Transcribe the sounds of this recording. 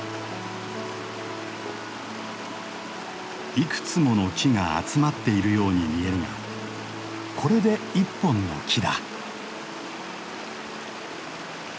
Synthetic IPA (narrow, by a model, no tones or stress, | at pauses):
ikɯ̥t͡sɨmo̞no̞kʲiŋaa̰t͡sɨmat̪ːe̞iɾɯ̟jo̞ːɲ̟imʲie̞ɾɯ̟ŋa̰ | kʰo̞ɾe̞d̪e̞ipːõ̞nːo̞̰kʲʰid̪a